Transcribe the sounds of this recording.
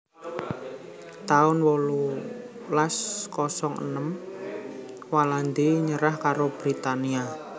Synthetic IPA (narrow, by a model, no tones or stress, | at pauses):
t̪aʊnwolu | laskɔsɔŋə̰nəm | waland̪eɲəɾahkaɾob̥ɾit̪ania